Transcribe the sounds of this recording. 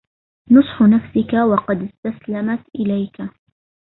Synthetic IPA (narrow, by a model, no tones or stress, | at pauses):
nʊsˤħʊnafsɪkawɑqɑd̪ɪst̪aslamat̪ʔɪlajka